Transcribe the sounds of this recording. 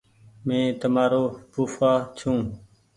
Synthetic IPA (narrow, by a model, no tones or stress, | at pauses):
mẽːt̪əmaːɾoːpuːfaːt͡ʃʰũː